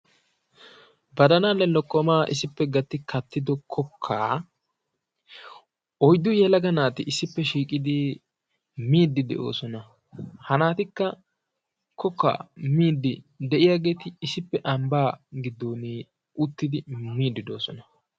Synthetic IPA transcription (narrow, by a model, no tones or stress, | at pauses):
bɐd̪ɐnaːlːɛlɔkːɔmaːʔɪ̰sɪpːɛɡɐt̪ːɪkʰɐt̪ːɪd̪ɔkʰɔkʰːaː | ʔɔjd̪ːʊjɛlɐɡɐnaːt̪ɪɪsːɪpːɛʃiːkʼɪd̪ɪ | miːd̪ːɪd̪ɛ̰ʔo̞̰ːsɔnɐ | hɐnaːt̪ɪkːɐ | kɔkːa̰ːmiːd̪ːɪd̪ɛʔɪjaːɡe̞ːt̪ɪːsɪpːɛʔɐmbaːɡɪd̪ːoːniː | ʊt̪ːɪd̪ɪmiːd̪ːɪd̪o̞ːsɔnɐ